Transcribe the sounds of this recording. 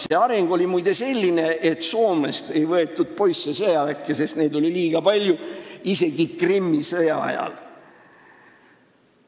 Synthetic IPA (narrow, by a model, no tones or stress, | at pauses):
se̞ɑɾeŋɡ̥o̞lʲimujd̪̥e̞se̞lʲːine̞ʔet̪ːˑso̞ːme̞st̪e̞jvɤe̞t̪ːˑud̪̥̚po̞jsesɤjɑlækːˑese̞st̪ne̞ːd̪o̞lʲiliːɡ̥ɑpɑlʲjuise̞ɡ̥ikrimːisɤjɑɑ̰jɑ̰l